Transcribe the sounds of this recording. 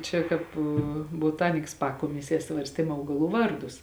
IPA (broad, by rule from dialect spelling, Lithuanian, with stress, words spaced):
ˈt͡ʃʲɛ ˈkɑːp boːˈtɑːnʲɪks ˈpɑːkoːmʲɪsʲiɛ ˈsʋɐrʲsʲtʲeːm ˈɐʊɡɐˌlˠuː ˈʋɐrˌdʊs